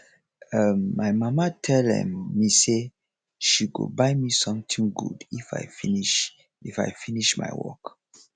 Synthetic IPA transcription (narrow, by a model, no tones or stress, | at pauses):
ʌmːajmamatʰɛlɛ̰̃mːise | ʃiɡo̰baɪmisɔ̃mt̪ĩŋɡṵdifa̰jfiniʃ | ifa̰jfiniʃma̰jwɔ̰k